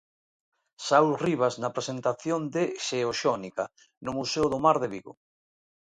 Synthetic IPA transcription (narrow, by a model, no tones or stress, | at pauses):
sawriβ̞aznapɾesent̪aθjond̪eʃeoʃɔnika | nʊmuseoðomaɾðeβiɣo̰